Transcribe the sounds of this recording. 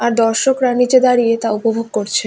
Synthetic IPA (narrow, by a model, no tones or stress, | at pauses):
aɾd̪ɔɾʃokɾanid͡ʑed̪aɾijet̪aupobʱoɡ̚koɾt͡ɕʰe